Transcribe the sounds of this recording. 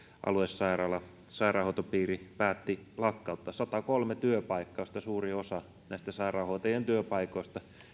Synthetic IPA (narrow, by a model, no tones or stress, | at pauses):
ʔɑ̰luesːɑirɑlɑ | sɑirɑːhoˑut̪opiːripæːt̪ːilɑkːɑut̪ːɑsɑt̪ɑkolmet̪yøpɑikːɑost̪ɑsuːriosɑ | næist̪æsɑirɑːhoit̪ɑjent̪yøpɑikoist̪ɑ